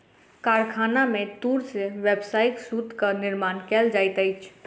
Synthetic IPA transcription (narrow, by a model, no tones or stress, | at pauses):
kaɾkʰanamet̪uɾseʋebsajksud̪ʱkənɪɾmankɛld͡ʒajt̪əjt͡ʃʰ